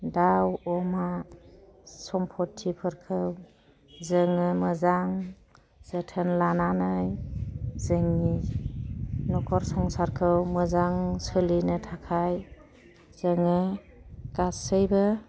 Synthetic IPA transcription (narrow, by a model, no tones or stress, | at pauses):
dawɔma | sɔmpʰɔtʰːipʰɯɾkʰɯw | zɯŋɯmɯzaŋ | z̥ətʰənlananɯjzɯŋi | nɔkʰɔɾsɔŋsaɾkʰɯwmɯzaŋsɯlinɯtʰakʰaj | z̥əŋɯ | kasɯjbɯ